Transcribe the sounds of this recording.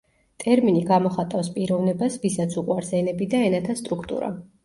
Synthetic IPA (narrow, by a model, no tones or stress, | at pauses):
t̪ʼɛɾminiɡamɔχat̪ʼafspʼiɾɔvnɛbasvisat̪sʰuqʼwaɾsɛnɛbid̪aɛnat̪ʰast̪ʼɾukʰt̪ʼṵɾa̰